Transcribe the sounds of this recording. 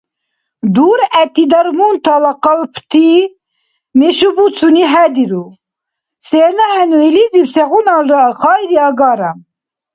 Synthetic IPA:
d̪uːɾɛt̪id̪ɐɾmunt̪ʰalɑqəlpʰt̪ʰi | meʃubut͡sʰuniɦæd̪iɾu | senahɛnuilid̪ibseɣunɑlχɑːjɾiɑːɡɑːɾa

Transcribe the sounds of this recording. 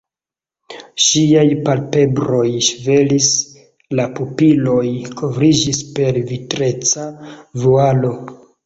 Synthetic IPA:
ʃiajpalpe̞bɾo̞jʃve̞lis | lapupilo̞jkʰo̞vɾid͡ʒispe̞ɾvitɾe̞t͡savualo̞

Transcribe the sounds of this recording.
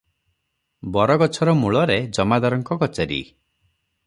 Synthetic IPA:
bɔɾɔɡɔt͡ʃʰɔɾɔmuɭɔɾed͡ʒɔmad̪ɔɾɔŋkɔɡɔt͡ʃaɾḭ

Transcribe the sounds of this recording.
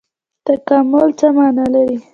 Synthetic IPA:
t̪akamʊlt͡səmɑnalaɾi

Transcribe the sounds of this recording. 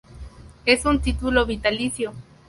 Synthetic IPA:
esunt̪it̪uloβit̪aliθjo

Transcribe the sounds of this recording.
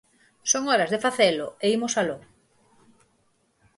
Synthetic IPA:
soŋɔɾazðefaθeloeimosalo

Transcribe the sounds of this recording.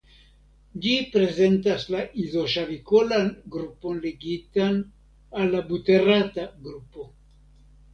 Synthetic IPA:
d͡ʒipɾe̞ze̞ntaslaʔizo̞ʃavikolanɡɾupo̞nleɡitan | alːabute̞rataɡɾupo̞

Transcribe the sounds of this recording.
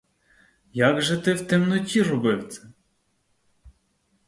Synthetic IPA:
jaɡʒɛt̪ɪwt̪ɪmnɔtʲirɔbɪwt̪t͡s̪ʲɛ

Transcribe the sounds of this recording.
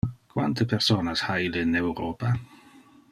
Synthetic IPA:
kʰwa̰ntʰəpʰɛrsoːnashajlɪnɛwɾoːpʰa

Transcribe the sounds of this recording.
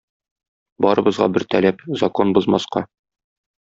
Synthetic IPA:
bɒɾɤ̆bɤ̆zʁɑ̰bɘɾt̪ælæpzɐkonbɤ̆zmɑsqɑ

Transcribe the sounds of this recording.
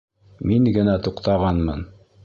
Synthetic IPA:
miŋɡɘ̆næt̪uqt̪ɑʁɑnmɤ̰n

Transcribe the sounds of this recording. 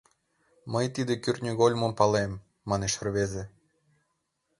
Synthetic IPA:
məjt̪id̪ekyrʲnʲyɡolʲmompɑlemː | ɑneʃə̆rβeze

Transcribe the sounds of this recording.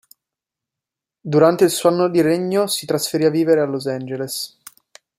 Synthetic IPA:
d̪uɾant̪eilsuanːod̪iɾeɲːosit̪ɾasfeɾiːaviːveɾealozɛnd͡ʒeles

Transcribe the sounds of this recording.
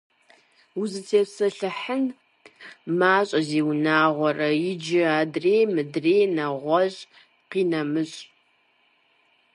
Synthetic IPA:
uzɨtʰeːpsɐɬɨħən | maːɕʼɐziːwnaːʁʷɔrɐjɪd͡ʒɪaːdreːjmɨdreːnɐʁʷɔɕʼ | qiːnɐmɨɕʼ

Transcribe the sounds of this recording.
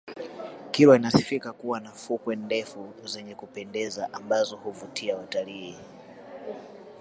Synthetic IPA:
kilwainasi̥fikakuwanafukwɛndɛfuzɛɲɛkupɛndɛzaʔambazɔhuvutʰiawataliː

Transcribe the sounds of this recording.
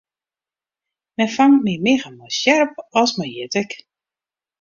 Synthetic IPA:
mɛnfaŋtmimɪɣəmɔjsjɛrp̚ɔlˠsmajjɪtək

